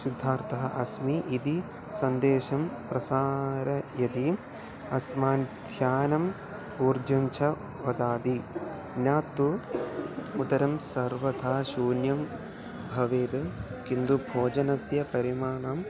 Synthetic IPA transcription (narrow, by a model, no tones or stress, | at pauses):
sud̪ʱːaːɾt̪ɐɦɐʔɐsmiʔid̪i | sɐnd̪eːʃɐmpɾɐsaːɾɐjɐd̪i | ɐsmaːnd̪ʱjaːnɐm | uːɾd͡ʒɐmt͡ʃʰɐ | ʋɐd̪aːd̪i | njaːt̪ːu | ut̪ɐɾɐmsɐɾʋɐt̪ʰaːʃuːnjɐm | bʱɐʋeːd̪ɐkind̪ubʱoːd͡ʒɐnɐsjɐpɐɾimaːɳaːm